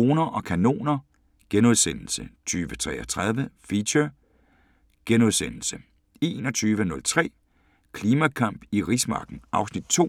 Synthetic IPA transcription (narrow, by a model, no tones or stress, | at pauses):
o̝ːnɐʔɒ̽kʰæno̝̰ːnɐ | ɡ̥enoðˠsen̰l̩sət͡sʰyːʋət͡sʰʁɛ̰ːɐt͡sʰʁað̞ˠʋəfiɕɐ | ɡ̥enuðˠsen̰l̩sə | e̝ːnɒ̽t͡sʰyːʋənɔ̽lt͡sʰʁɛ̰ː | kʰliːmækʰɑ̈m̰b̥iʁismɑ̈ːɡ̥n̩ʔɑ̈ʊsnid̥̚t͡sʰo̝̰